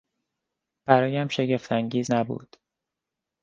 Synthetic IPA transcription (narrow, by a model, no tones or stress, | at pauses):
b̥æɾɒːjæmʃe̞ɟe̞ft̪ʰæŋɟiːznæbṵːd̪̥